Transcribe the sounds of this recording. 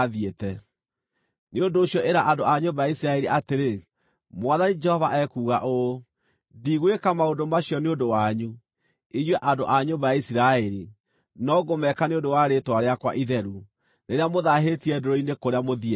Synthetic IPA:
ðietɛ | neondoːɕjɔʔeɾaʔandoaɲombajaisiɾaɛɾiʔateɾe | mwaðanid͡ʒɛhɔvaʔɛkuːɣaʔo | diɣwekamaondomaɕijɔneondowaɲu | iɲwɛʔandoʔaɲobajaisiɾaɛɾi | nɔɡomɛkaneondowaɾetwaɾeakwa̰ʔiðɛɾu | neɾeamoðaɦetiɛdoɾɔinekoɾeamoðiɛ

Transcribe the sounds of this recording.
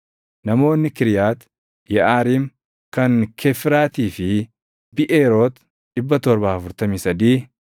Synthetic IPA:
nɐmo̞ːnːɪkɪɾjaːt̪ | jɛʔaːɾiːm | kɐnkʰɛfɪɾaːt̪iːfɪ | bɪʔeːɾo̞ːt̪ | ᶑɪbːɐt̪ɔɾbaːɐfʊɾt̪ɐmisɐd̪iː

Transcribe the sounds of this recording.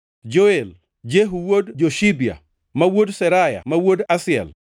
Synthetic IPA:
d͡ʒoel | d͡ʒeɦuwodd͡ʒoʃibia̰ | mawodsɛɾaja̰mawodasɪɛ̰l

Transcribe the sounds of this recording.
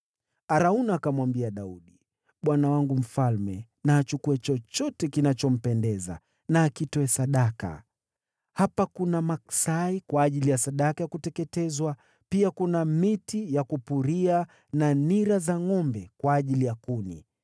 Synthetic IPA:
aɾaunaːkamwambiaɗauɗi | ɓwanawaŋɡum̩falmɛ | naːt͡ʃukuɛt͡ʃɔt͡ʃɔtɛkinat͡ʃɔm̩pɛndɛza̰ | naːkitɔɛsaɗaka̰ | hapakunamaksaikwaːʄilijasaɗakajakutɛkɛtɛzwa | piakunamitijakupuɾia | naniɾazaŋɔmbɛkwaːʄilijakunḭ

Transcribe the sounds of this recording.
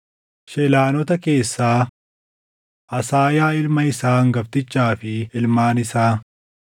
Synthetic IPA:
ʃɛlaːnɔt̪ɐke̞ːsːaː | ʔɐsaːjaːɪlmɐɪsaːŋɡɐft̪ɪt͡ʃːaːfɪɪlmaːnɪsaː

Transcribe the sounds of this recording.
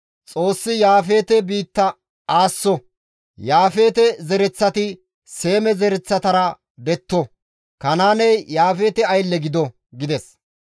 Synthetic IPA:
t͡sʼo̞ːsːɪjaːfe̞ːt̪ɛbiːt̪ːɐ | aːsːɔ | jaːfe̞ːt̪ɛzɛɾɛt͡sːɐt̪ɪ | se̞ːmɛzɛɾɛt͡sːɐt̪ɐɾɐ | d̪ɛt̪ːɔ | kɐnaːnɛjjaːfe̞ːt̪ɛɐjlːɛɡɪd̪ɔ | ɡɪd̪ɛs

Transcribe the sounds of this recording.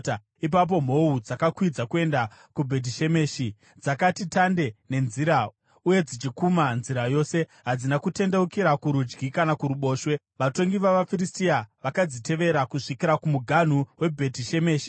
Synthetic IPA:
ip̬ap̬o̞m̤o̞ud͡zakakwid͡zakue̞ndakubʱe̞t̬iʃe̞meːʃi | d͡zakatitande̞ne̞nziɾa | uje̞d͡zit͡ʃikumanziɾajo̞ːse̞ɦad͡zinakute̞nde̞ukiɾakuɾud͡ʒɡikanakuɾuɓo̞ːʃwe̞ | ʋato̞ŋɡiʋaʋafiɾistiaʋakad͡zite̞ʋe̞ɾakuʂikiɾakumuɡʱan̤uwe̞bʱe̞tiʃe̞me̞ːʃi̥

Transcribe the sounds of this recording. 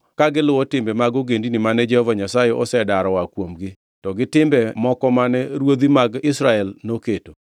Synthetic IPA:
kaɡɪlʊwɔtɪmbɛmaɡoɡendinimanɛd͡ʒɛhɔvaɲasajɛʔɔsɛdaɾɔwakwomɡɪ | tɔɡɪtɪmbɛmɔkɔmanɛɾwod̪imaɡɪsɾaɛlnoketo

